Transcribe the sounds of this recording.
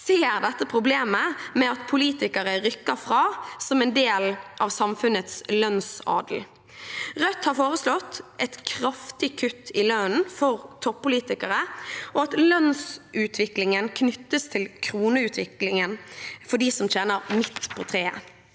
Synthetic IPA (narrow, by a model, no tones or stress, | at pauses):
seːɾd̪ɛt̪ːəpʰʁʊbleːməmɛɑt̪pʰʊliːt̪ɪkəɾəʁʏkːəɾfʁɑːsɔmɛnd̪eːlʔɑʋsɑmfʉnət̪slœnsɑ̰ːd̪l̩ | ʁœt̪hɑɾfoːʁəslɔt̪ːʔɛt̪kʰɾɑft̪ɪkʰʉt̪ʰːɪløːnn̩fɔʁt̪ʰɔpːʊliːt̪ɪkəʁəʔɔɑt̪lœnsʔʉːt̪ʰʋɪklɪŋənkʰnʏt̪ːəst̪ʰɪlkʰɾuːnəʉːt̪ʰʋɪklɪŋənfɔɖ̪iːsɔmt͡ʃeːnəʁmɪt̪ːpʰɔt̪ʰʁeː